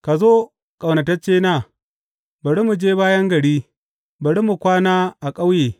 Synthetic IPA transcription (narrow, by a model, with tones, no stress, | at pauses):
ka˨zoː˦ | kʼa˨wnɐ˨tɐ˦t͡ʃeː˦naː˦ | bɐ˨ɽe˦mu˨d͡ʒeː˦baː˦jɐ˦ŋɡɐ˨ɽiː˦ | bɐ˨ɽi˦mu˨kʷaː˦naː˦ʔa˨kʼa˦wjeː˨